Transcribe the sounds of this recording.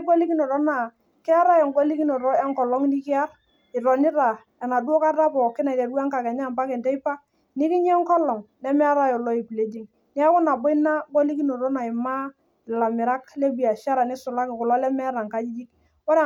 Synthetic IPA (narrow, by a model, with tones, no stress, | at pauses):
bo˦li˦ki˦no˨ɾɔ˦na˨ | kɪ˦a˦ɾa˦jɔ˨ŋɡo˦li˦ki˦no˨ɾɔ˦ɛ˦ŋkɔ˨lɔ˦ŋni˦kɪ˦a˦r | ɪ˨ɾɔ˨nɪ˦ɾa˨ | ɛ˨na˨du˦ɔ˦ka˦ɾa˦pɔ˨kɪ˦na˨i˨te˨dwa˦ŋka˨kɛ˨ɲa˦˨mpa˦kɛ˨ntɛ˦i˦pa˦ | nɪ˦kɪ˦ɲɛ˦ŋkɔ˦lɔ˨ŋnɛ˦m˦a˦ɾa˦jɔ˨lɔ˦i˨pi˨le˦di˦ŋ | nɪ˦a˦kʊ˦na˨bo˦i˦na˦ɡo˦li˦ki˦no˨ɾɔ˦na˨ɪ˨ma˦ | ɪ˨la˨mɪ˨ɾa˦kle˦bi˨a˨ʃa˦ɾa˨ni˦sʊ˨la˦kɪ˨kʊ˨lɔ˦lɛ˦mɛ˦ɾa˨ŋka˦d͡ʒi˦d͡ʒi˦k | wɔ˦ɾɛ˦˨